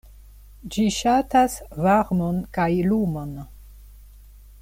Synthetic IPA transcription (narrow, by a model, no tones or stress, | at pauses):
d͡ʒiʃatasvaɾmonkajlumon